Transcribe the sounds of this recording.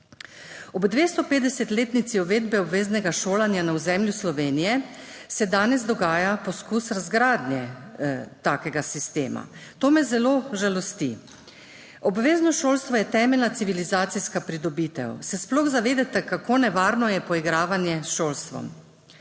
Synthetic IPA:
ɔbd̪ʋeːst̪ɔpeːd̪ɛsɛt̪leːt̪nit̪siɔʋeːd̪bɛɔbʋeːznɛɡaʃoːlanjanauzɛmljuslɔʋeːnijɛsɛd̪aːnɛzd̪ɔɡaːjapɔskuːsɾazɡɾaːd̪njɛ | t̪aːkɛɡasist̪eːma̰t̪oːmɛzɛloʒalɔst̪ḭ | ɔbʋeːznɔʃoːlst̪ʋɔjɛt̪ɛːmɛlnat̪siʋilizaːt̪siskapɾid̪ɔbiːt̪ɛ̰wsɛsplɔɣzaʋeːd̪ɛt̪ɛkakoːnɛʋaːɾnɔjɛpɔiɡɾaːʋanjɛsʃoːlst̪ʋɔ̰m

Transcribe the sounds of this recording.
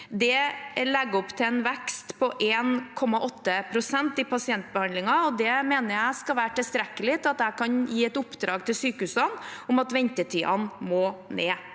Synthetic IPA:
d̪ɛlɛɡːɔpːt̪ʰɪɛnʋɛkst̪pʰɔʔeːnkʰɔmɑʔɔt̪ːəpʰɾʊsɛnt̪ɪpɑsɪɛnt̪̚bəhɑnd̪lɪŋɑɔd̪ɛmeːnəɾjæɪskɑʋæːɾʈɪlst̪ɾɛkːəlɪt̪ʰɪlɑt̪æɪkʰɑnjiːɛt̪ʊpːd̪ɾɑ̰ːɡt̪ʰɪlsyːkəʉːsənʊmɑt̪ʋɛnt̪ət̪ʰiːɑ̰nmoːneː

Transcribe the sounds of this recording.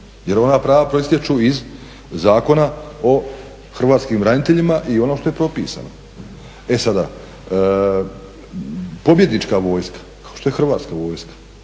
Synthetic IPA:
je̞ɾo̞napɾaːʋapɾoist̪jet͡ʃuiz | zaːko̞nao̞ | xr̩ʋaːt̪skimɾanit̪e̞ʎimaʔio̞noːʃt̪o̞je̞pɾo̞pḭːsa̰ːno̰ | e̞sad̪a | po̞bje̞d̪nit͡ʃkaʋo̞ːjskḁkḁo̥ʃt̪o̞jexr̩ʋaːt̪skaʋo̞ːjskḁ

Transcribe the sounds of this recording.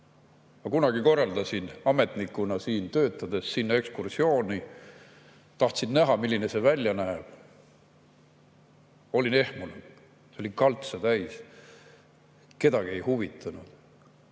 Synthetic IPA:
ɑkunɑɡ̥iko̞rːɑld̪ɑsinɑme̞t̪nikːunɑsiːnt̪ø̞ːt̪ˑːɑd̪̥e̞ssinːɑe̞kskursio̞ːni | t̪ɑht̪sinːnæɦɑmilʲːinese̞vælʲːjɑnæːb̥ | o̞lʲine̞hmune̥ | seolikɑlt̪set̪æjs | ke̞d̪ɑɡ̥ie̞jhuvit̪ːˑɑnud̪̥

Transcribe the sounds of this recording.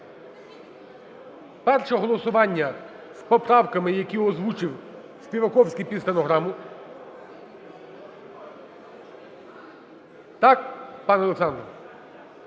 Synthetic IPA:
pɛrʃɛɦɔlˠɔsʊʋɑnʲːɐ | spɔpɾɑwkɐmɪjɐkʲiɔzʋut͡ʃɪw | spʲiʋɐkɔwsʲkʲipʲist̪enɔɦɾɑmʊ | t̪ɑk̚pɑnɔlˠeksɑnd̪ɾ

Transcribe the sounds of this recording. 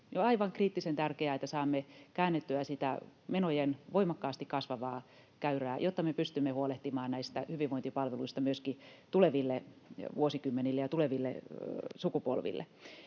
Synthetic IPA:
joɑiʋɑŋkriːt̪ːisent̪ærkeæet̪ːæsɑːmːekæːnːet̪ːyæsit̪æ̰menojenʋoimɑkːɑːst̪ikkɑsʋɑʋɑː | kæyræːjot̪ːɑmepyst̪ymːehuoleht̪imɑːnnæist̪æhyʋiʋoint̪ipɑlʋeluist̪ɑmyøskit̪uleʋilːeʋuosikymːenilːejɑt̪uleʋilːḛsukupo̰lʋḭlːḛ

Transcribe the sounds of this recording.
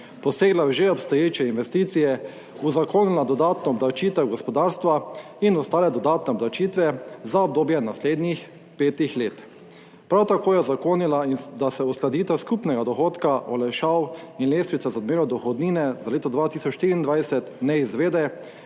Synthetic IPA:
pɔseːɡlaʒeɔpst̪ɔjeːt͡ʃɛinʋɛst̪iːt̪sijɛ | uzakoːnilad̪ɔd̪aːt̪nɔɔbd̪awt͡ʃiːt̪ɛwɡɔspɔd̪aːɾst̪ʋa | inɔst̪aːlɛd̪ɔd̪aːt̪nɛɔblawt͡ʃiːt̪ʋɛzaɔb̚d̪oːbjɛnasleːd̪nix | peːt̪ixleːt̪ | pɾawt̪akoːjɛzakoːnilaind̪asɛusklad̪iːt̪ɛwskupnɛɡad̪ɔxoːt̪kaʔɔlajʃawinleːst̪ɾit̪sazaɔd̪meːɾɔd̪ɔxɔd̪niːnɛzaleːt̪ɔd̪ʋaːt̪iːsɔt͡ʃʃt̪iːɾiːnd̪ʋajsɛt̪nɛizʋeːd̪ɛ

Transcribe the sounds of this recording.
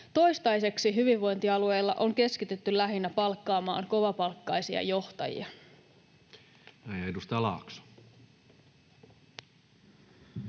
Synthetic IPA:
t̪o̞jst̪ɑjse̞ksiɦyʋiʋːo̞jnt̪iɑlue̞jlːɑʔo̞ŋk̟e̞skit̪et̪ːylæɦinːæpɑlkːɑːmɑ̰ːŋko̞ʋɑpɑlkːɑjsiɑ̰jo̞ht̪ɑ̰jḭɑ | mæjedust̪ɑɑlɑ̰ːksu̥

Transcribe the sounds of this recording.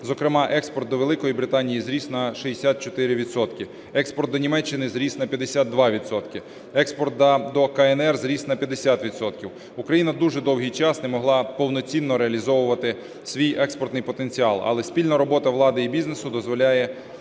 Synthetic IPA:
zɔkɾɪmɑʔɛkspɔrt̪d̪ɔʋelˠɪkɔjibɾɪt̪ɑnʲijizɾʲisnɐʃiesʲat̪̚t͡ʃɔt̪ɪɾʲɪʋʲid̪sɔt̪kʲɪ | ɛkspɔrt̪̚d̪ɔnʲimɛt͡ʃːɪnɪzɾʲisnɐpʲjɐd̪esʲad̪̚d̪ʋɑʋʲit̪sɔt̪kɪ | ɛkspɔrt̪̚ɐd̪ɔkɐɛnɛrzɾʲisnɐpʲjɐd̪esʲat̪ʋʲit̪sɔt̪kʲiw | ukɾɐjinɐd̪uʒɛd̪ɔwɦijt͡ʃɑsnemɔɦlˠɑpɔwnɔt͡sʲinːɔɾeɐlʲizɔʋʊʋɐt̪ɪ | sʲʋʲijʔɛkspɔrt̪nɪjpɔt̪e̞nʲt͡sʲiɑlˠɐ̰lˠɛspʲilʲnɐɾɔbɔt̪ɐʋlˠɑd̪ɪibʲiznesʊd̪ɔzʋɔlʲajɛ

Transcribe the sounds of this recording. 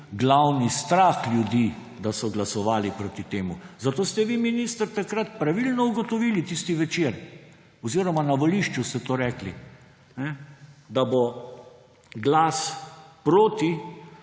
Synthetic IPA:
ɡlawnist̪ɾaxlʲjud̪i | d̪asɔɡlasɔʋaːlipɾoːt̪it̪eːmuzat̪oːst̪ɛʋiminist̪əɾt̪akɾat̪pɾaʋilnɔuɡɔt̪ɔʋiːlit̪ist̪iʋɛt͡ʃeɾ | ɔziːɾɔmanaʋɔliʃt͡ʃust̪ɛt̪oːɾɛːkli | nɛd̪abo | ɡlaspɾoːt̪i

